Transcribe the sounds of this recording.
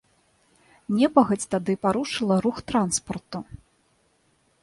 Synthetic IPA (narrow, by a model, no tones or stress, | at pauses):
nʲɛbɐɣɐt͡sʲt̪ad̪ɨpaɾuʂɨlˠɐɾuxt̪ɾanspɐrt̪u